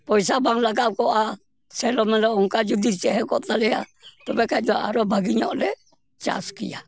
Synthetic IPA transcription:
pɔisabaŋlaɡakoʔa | sɛlomɛlouŋkad͡ʒud̪it͡ʃɛɦɛkɔt̪alɛa̰t̪ɔpɛkadaʔa̰ɾobaɡiɲɔ̰lɛ | t͡ʃa̰skḭa

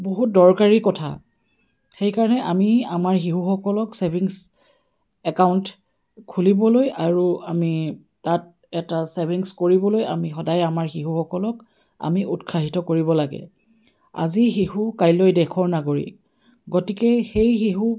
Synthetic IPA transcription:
boɦut̚dɔɹkaɹikɔtʰa̰ | xejkaɹɔnɛʔamiamaɹxiɦuxɔkɔlɔksebʱiŋs | ɛkawnt | kʰulibɔlojaɹuami | tat̚ | ɛtasebʱiŋskoɹibɔloja̰mixɔdajamaɹxiɦuxɔkɔlɔk | a̰miʔutkʰaɦitɔkoɹibɔlaɡɛ̰ | a̰zixihukajlojdɛkʰɔɹnaɡoɹḭk | ɡotikɛxejxiɦu

